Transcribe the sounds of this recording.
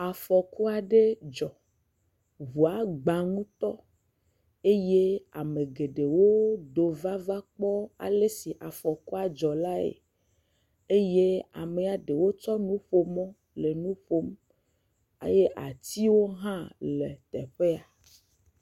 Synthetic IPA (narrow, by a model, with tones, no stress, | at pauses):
a˨fɔ˨ku˦a˨ɖe˦d͡ʒɔ˨ | βu˨a˨˦ɡ͡ba˨ŋũ˦t̪ɔ˦ | e˦je˦a˨me˨ɡe˨ɖe˨wo˦d̪o˨va˦va˦k͡pɔ˦a̰˨le˦si˨ʔa˨fɔ˨ku˦a˨d͡ʒɔ˨la˦ḛ˨ | e˦je˦a̰˨me˨a˨ɖe˨wo˦t͡ʃɔ˦nũ˦ɸo˦mɔ̃˦ | le˨nũ˦ɸo˦m | ḛ˦je˦ʔa̰˨t̪i˦wo˦ɦã˦le˨t̪ɛ̰˨ɸe˦a˨